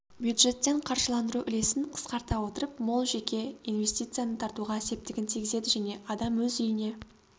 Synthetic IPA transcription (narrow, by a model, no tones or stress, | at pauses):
bjud̪ʒe̞t̪ːe̞ɴqʰɑɾʒəlˠɑnd̪əɾuʔɪle̞sɪnqʰə̥sqɑɾt̪ɑwo̞t̪əɾəpmolˠʒe̞kʲe̞inve̞st̪ijt̪sɨjanət̪ʰɑɾt̪uʁɑse̞p̚t̪ɪɡʲɪnt̪ʰijɡʲɪze̞d̪ɪʒæne̞ʔɑd̪ɑmwɵzʏjɪne̞